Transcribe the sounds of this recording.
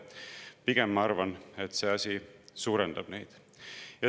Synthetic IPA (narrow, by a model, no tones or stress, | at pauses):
piɡ̥emːɑɑrvɑnet̪se̞ːɑsʲisuːɾend̪̥ɑb̥ne̞jd̪̥ | jɑ